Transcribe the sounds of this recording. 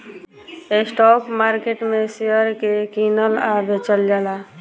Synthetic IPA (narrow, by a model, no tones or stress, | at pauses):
esʈɔpmaɾkeʈmesejəɾkekinəlabʱet͡ʃəld͡ʒala